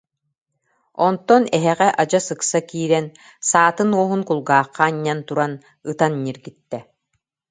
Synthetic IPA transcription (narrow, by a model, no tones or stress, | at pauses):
ɔnt̪ɔnɛɦɛʁɛʔad͡ʑasɯksakiːɾɛn | saːt̪ɯnuɔɦunkulˠɡaːqːaːɲːant̪uɾan | ɯt̪anːiɾɡit̪ːɛ